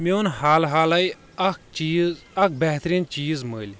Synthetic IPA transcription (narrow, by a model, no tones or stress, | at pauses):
meunhaːlɦaːlɐi | ɐkt͡ʃiːz | ɐk̚ʰbɛɦt̪ɾiːnt͡ʃiːzməːlʲ